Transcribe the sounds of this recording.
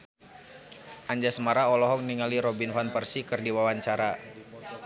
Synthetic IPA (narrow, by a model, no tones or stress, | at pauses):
ʔaɲd͡ʒasəmaɾaɔlɔɦɔk̚niŋaliɾɔbinfanpərsikɨrdiwawaɲt͡ʃaɾa